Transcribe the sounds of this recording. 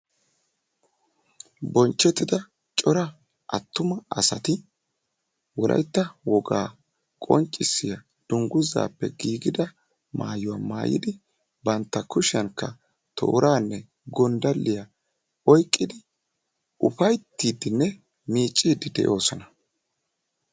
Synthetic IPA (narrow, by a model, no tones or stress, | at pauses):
bɔnt͡ʃːɛt̪ːɪd̪ɐ | t͡ʃʼɔɾɐ | ʔɐt̪ːʊmɐɐsɐt̪ɪ | wɔlʔɐ̰jt̪ːɐwɔɡaː | kʼɔ̰nt͡ʃʼːɪsːɪjɐ | d̪̥ʊŋɡʊza̰ːpːɛɡiːɡɪd̪ɐ | ma̰ːjʊwaːma̰ːjɪ̰d̪ɪ | bɐnt̪ːɐkʊʃɐŋkːɐ | t̪ʰo̰ːɾaːnːɛ | ɡɔnd̪ɐlːɪjɐ | ɔjkʼːɪd̪ɪ | ʊpɐjt̪ːiːd̪ɪnːɛ | miːt͡ʃʼːiːd̪ɪd̪ɛ̰ʔo̞ːsɔnɐ